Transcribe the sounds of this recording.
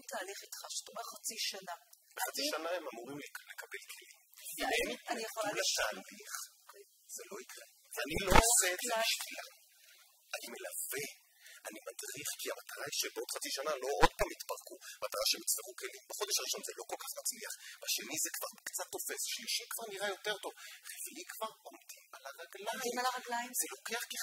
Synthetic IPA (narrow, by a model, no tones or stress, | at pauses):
taːliχitχaʃt̪uχat͡siʃanabeχat͡siʃanaemamuʁimllekabe̞lkʰelimimmaniaolat̪aːliχ | z̥elo̞ikʁe | vanilo̞oosezebiʃkila | anime̞lave̞ | animadʁiχkiamat̪aʁaiʃebeo̞d̪χat͡siʃanalo̞ʔod̚paːmit̪paʁkumat̪aʁaʃemitt͡sveʁuke̞limbaχo̞d̪e̞ʃaʁiʃo̞nzelo̞kolkaχmat͡sliaχbaʃe̞nizekvaʁkt͡sat̪ːo̞fe̞sʃliʃikvaʁniʁajo̞te̞ʁto̞vʁeɡlikvaʁo̞mdimalaʁaɡlajiimlaʁaɡlajzelo̞keaχki